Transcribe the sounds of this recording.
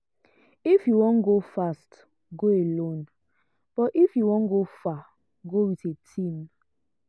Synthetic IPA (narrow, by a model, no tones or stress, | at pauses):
ifjuwɔ̃nɡofast | ɡoelõn | b̥ɔtifjuwɔ̃nɡofa | ɡowitetʰĩm